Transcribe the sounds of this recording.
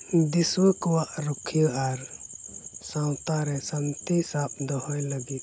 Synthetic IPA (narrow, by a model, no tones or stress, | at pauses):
d̪iswəkɔwaʔɾukʰijəʔaɾ | sãwt̪aɾɛsant̪isap̚d̪ɔhɔjləɡit̪̚